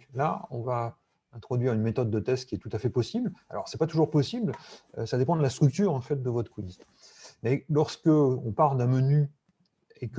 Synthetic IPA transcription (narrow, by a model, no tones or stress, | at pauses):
laɔ̃va | ɛ̃t̪χɔd̪ɥiʁynmet̪ɔd̪ːət̪ɛst̪̚kʲiɛt̪ut̪afɛpɔsibla̰lɔ̰ʁsɛpat̪uʒuʁpɔsibløsad̪epɑ̃d̪əlast̪χyk̚t̪yːʁɑ̃fɛt̪̚d̪əvɔt̪kwiz | mɛlɔʁskəɔ̃paʁld̪ɛ̃məny | ek